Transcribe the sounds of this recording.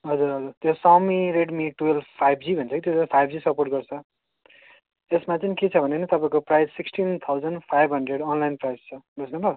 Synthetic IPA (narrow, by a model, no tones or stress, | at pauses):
ɦʌd͡zuɾɦʌd͡zurt̪josamiɾeɽmiʈuelpʰajbd͡zibʱʌnt͡sʰʌkit̪joãpʰajbʱd͡zisʌporʈ̚ɡʌrt͡sʰʌ | esmat͡sʌniket͡sʰʌbʱʌnenʌt̪ʌpaĩkoprajzsːiksʈint̪ʰawd͡zʌnpʰajbʱɦʌɳɖreɽʌnlajnprajst͡sʰʌɡʱusnuba